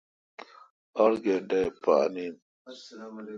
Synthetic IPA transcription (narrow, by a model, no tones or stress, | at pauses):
aɾɡedajpa̰ni